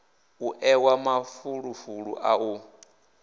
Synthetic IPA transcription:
uʔɛwamafuɺufuɺṵʔau

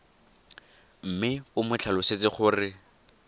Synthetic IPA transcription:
m̩mɪʊmʊt͡ɬʰalʊset͡sɪχʊrɪ

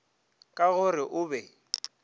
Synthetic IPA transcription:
kʼaɣʊrɪʔʊbɛ

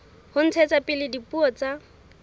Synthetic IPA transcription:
hʊn̩t͡sʰɛt͡sapʼɪlɪdipuɔt͡sa

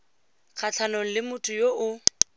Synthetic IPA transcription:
k͡xʰat͡ɬʰanoŋ̩lɪmʊtʼʊjoʔʊ

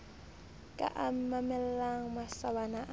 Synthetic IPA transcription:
kʼa̰ʔam̩mamɛlɛlaŋ̩masabanaʔ

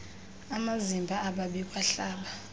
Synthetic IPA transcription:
amazimbʱaːɓaɓik̬ʼwaɬaːɓa

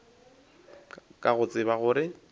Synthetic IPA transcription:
kʼaɣʊt͡sʼɪβaɣʊːɾɪ

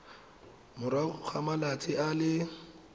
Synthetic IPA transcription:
mʊɾaʊk͡xʰamalat͡sʰʼɪalɪ

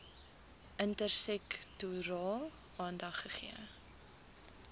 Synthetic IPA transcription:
ʔəntərsɛktuɾɑːlˠ | ɑːndɐχːəχiə

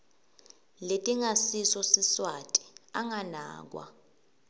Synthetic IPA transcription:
letʼiŋasisɔsiswatʼi̥aŋana̰ːk̬wa̰

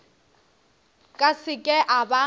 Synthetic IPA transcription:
kʼasɪkʼɛʔaba

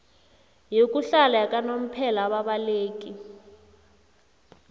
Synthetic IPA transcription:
jokʼuɬalajakʼanom̩pʰɛlaːɓaɓaleːk̬ʼi

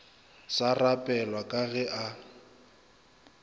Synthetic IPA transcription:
sarapʼɛlwakʼaɣɛʔa

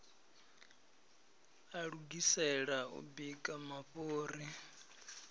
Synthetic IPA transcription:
aɺuɡisɛɺaṵbikʼamaɸoːri

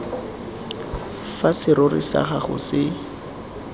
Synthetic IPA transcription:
fasɪɾʊrɪ̰sa̰χaχʊ̰sɪ

